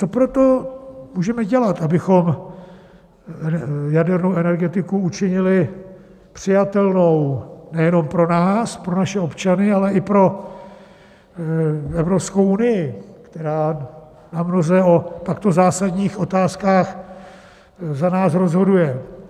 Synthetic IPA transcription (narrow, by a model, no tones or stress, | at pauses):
t͡so̞pɾot̪o̞muːʒɛmɛɟɛlat̪ʔabɪxo̞m | jadɛɾnowʔɛnɛɾɡɛt̪ɪkuut͡ʃɪɲɪlɪ | pr̝̥ɪjat̪ɛlno̞wnɛjɛno̞mpɾo̞naːspɾo̞naʃɛo̞pt͡ʃanɪalɛɪpɾo̞ | ɛvɾo̞psko̞wunɪjɪkt̪ɛɾaː | namnozɛo̞t̪akt̪ozaːsadɲiːxʔo̞t̪aːskaːx | zanaːsɾo̞zɦo̞dujɛ